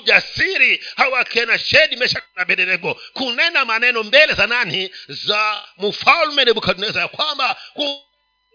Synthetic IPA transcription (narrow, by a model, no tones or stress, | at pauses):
ʄasiɾihawakɛnaʃɛɗimɛʃanaɓɛɗɛlɛkɔkunɛnamanɛnɔmbɛlɛzananizamufalmɛnɛɓukaɗunɛzajakwambaku